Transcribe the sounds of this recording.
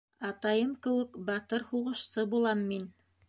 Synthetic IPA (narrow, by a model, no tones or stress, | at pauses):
ɑt̪ɑjɤmkɘ̆wɘkbɑt̪ɤɾhuʁɤ̆ʃsɤbulˠɑmːin